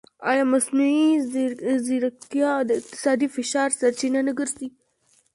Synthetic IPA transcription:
ɑjɑmasnui | zɪɾat̪jɑd̪əɪq̚t̪ɪ̥sɑd̪ifɪʃɑɾsaɾt͡ʃinanəɡəɾzi

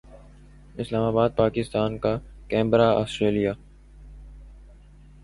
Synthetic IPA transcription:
ɪslaːmaːbaːd̪̚paːkɪst̪aːnka | kɛ̃ːmbɾaa̰ːsʈɾeːlijaː

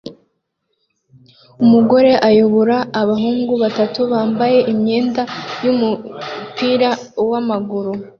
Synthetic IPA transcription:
umuɡo̞ɾe̞ʔajoβoɾaːβaɦuːŋɡuβatatuβaːmbaje̞ʔimɲeːndajumupiːɾa | wamaɡuɾu

